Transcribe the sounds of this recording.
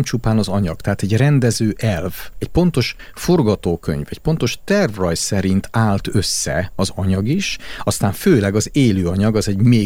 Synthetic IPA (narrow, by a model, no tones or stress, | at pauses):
mt͡ʃupaːnɒzɒɲɒɡt̪ɛɦaːt̪ɛɟrɛnd̪ɛzøːʔɛlvɛcpo̞nt̪o̞ʃ | fo̞rɡɒt̪oːkø̰ɲvɛcpo̞nt̪o̞ʃt̪ɛrvrɒjsɛɾint̪ʰaːlt̪ø̞sːɛ̰ɒzɒɲɒɡiʃɒst̪aːɱføːlɛɡɒzeːløːɒɲɒɡɒzɛɟmeː